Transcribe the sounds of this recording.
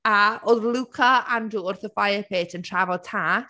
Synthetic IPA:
aoðlˠukʰaanduːrθəfajəpʰeːtʰəntʰravɔtʰaː

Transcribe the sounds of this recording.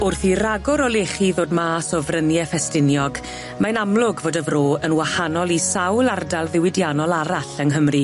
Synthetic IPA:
ʊrθiraɡɔɾɔlˠeχiðoːdmaːsɔvrənjɛfɛstɪnjɔɡ | manamlˠʊɡvoːdəvroːənwahanɔlˠisawlˠardalˠðɪwɪdjanɔlˠaɾaɬənɦəmri

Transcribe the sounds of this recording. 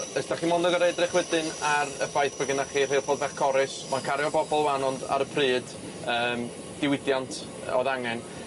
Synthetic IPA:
əsd̥aχiːmɔndɔɡaɾedrɛχwɛdɨnaɾəfajθb̥əɡənaχiːr̥ejlˠboːdvɛχkʰɔɾɪsmankʰaɾjɔbɔbɔlˠwanɔnda̰ɾəpʰrɨːd | əːm | d̥ɪwɪdjantʰ | ɔ̰ðaŋɛn

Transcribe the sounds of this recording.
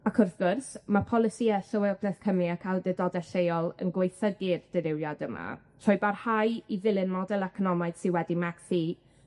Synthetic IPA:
akʰʊrθɡ̥ʊrsmapʰɔlˠɪsiɛɬɔwɛɔbʰlɛθkʰəmliakʰalˠdɛdɔdɛɬejɔlˠə̰nɡwejθəɡɨrd̥ɪɾɪwjadəma̰ | tʰɔjbarhajivɪlˠɨnmɔdɛlˠɛkʰɔnɔmaɨd̥sɪnwɛdimaksi

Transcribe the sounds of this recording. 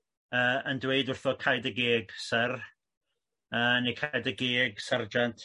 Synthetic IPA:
əːəndweɨdʊrθɔkʰajdəɡeːɡsər | əːnekʰajdəɡeːɡsard͡ʒantʰ

